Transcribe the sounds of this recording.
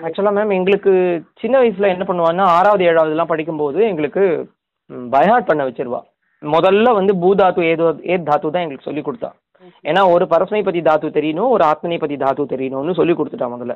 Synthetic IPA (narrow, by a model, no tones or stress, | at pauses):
ɐk̚t͡ʃːlaːmeːmɛŋɡɐɭɯkːɯt͡ʃɪnːɐʋɐɪs̬ɪlãːɛnːɐpɐɳːɯʋãːnːaːaːɾaːʋɐðɯeːɻaːʋɐðɐlːãːpɐɽɪk̬ʲːɯmpoːðɯɛŋɡɐɭɯkːɯ | bɐjɐɦaːʈ̚pɐɳːɐʋɛt͡ʃːɪɾɯʋã̰ː | mɔðɐlːɐʋɐnd̪ɯbuːd̪aːt̪ueːeːd̪aːt̪uːt̪ãːɛŋɡɐɭɯkːɯsɔ̰lːikːɔɽɯt̪ːã̰ː | eːnːaːɔɾɯpɐɾɐsmɐɪp̬ːɐt̪ːid̪aːt̪uːt̪ɛɾɪjɐnõːɔɾɯaːt̪̚mɐnɛpːɐt̪ːid̪aːt̪uːt̪ɛɾɪjɐnõːnːɯsɔlːikːɔɽɯt̪ːɯʈːãːmɔðɐlːɐ